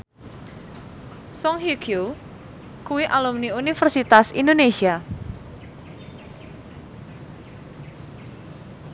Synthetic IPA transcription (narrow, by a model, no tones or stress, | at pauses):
sɔŋɦikʰju | kuwiʔalumniunifərsit̪asḭnd̪onesia